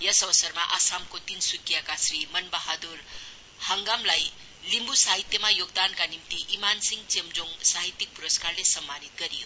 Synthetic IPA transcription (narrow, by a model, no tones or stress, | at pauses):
jʌsʌwsʌɾmaʔasamkot̪insukːjakasɾimʌnbaɦad̪uɾ | haŋɡamlaj | limbusaɦit̪jemajoɡ̚d̪ankanimt̪iʔimansiŋt͡ʃemd͡ʒoŋsaɦit̪ːik̚puɾʌskaɾlesʌmːanit̪̚ɡʌɾijo